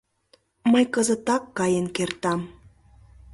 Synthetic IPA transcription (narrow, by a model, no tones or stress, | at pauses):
məjkəzət̪ɑkːɑjenkert̪ɑm